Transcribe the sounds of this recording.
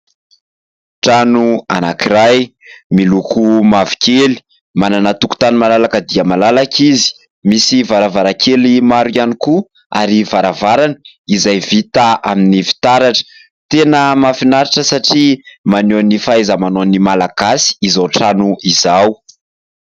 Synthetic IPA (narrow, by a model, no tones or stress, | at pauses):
ʈ͡ʂanua̰nakiɾajmilukumavi̥keli̥ | mananat̪uku̥t̪animalalakəd̪iəmalalakizi̥ | misivaɾavaɾakʰelimaɾianiku | a̰ɾivaɾavaɾanəizajvit̪aʔa̰minivi̥t̪aɾaʈ͡ʂə̥ | t̪enəmafinaɾiʈ͡ʂəsaʈ͡ʂimanoanifaezamanonimalaɡ̥asi̥izawʈ͡ʂanuizaw